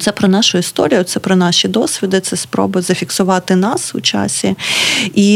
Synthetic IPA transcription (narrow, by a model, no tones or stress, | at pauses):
t̪sɛpɾɔnɑʃʊist̪ɔ̰ɾʲijɔt̪sɛpɾɔnɑʃʲid̪ɔsʲʋʲid̪ɪt̪sɛspɾɔ̰bɐzɐfʲiksʊʋɑt̪ɪnɑsʊ̰t͡ʃɑ̰sʲii